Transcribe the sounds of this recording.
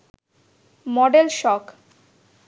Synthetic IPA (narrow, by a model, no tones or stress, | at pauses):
mɔɖelʃɔk